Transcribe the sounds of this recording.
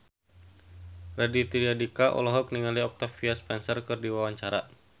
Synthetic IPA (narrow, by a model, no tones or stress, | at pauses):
radit̪iliadikaʔɔ̰lɔɦɔk̚niŋaliɔk̚t̪afiaspɛnsərkɨrdiwawaɲt͡ʃaɾa